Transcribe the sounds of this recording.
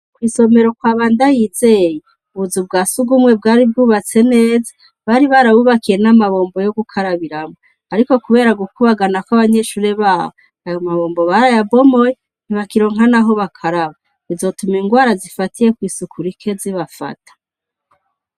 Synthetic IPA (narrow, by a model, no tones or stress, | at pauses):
kwiːso̞me̞ɾo̞kwaːβaːndajiːze̞ːje | uβuzubɡaːsuɡumŋe̞b̚ɡaːɾib̚ɡuːβat͡se̞ne̞ːza | βaɾiβaɾaβuβakije̞namaβo̞ːmbo̞jo̞ɡukʰaɾaβiɾamo | aɾiko̞kuβe̞ːɾaɡukuβaɡanakwaβaɲe̞ʃuːɾe̞βaːβo | ajomaβo̞ːmbo̞βaɾajabo̞mo̞je | n̥iβakiɾo̞ːŋɦanaɦo̞βakʰaɾaβa | izo̞tumiŋɡwaːɾazifatije̞kwiːsukuɾikʰe̞ziβafa̰tḁ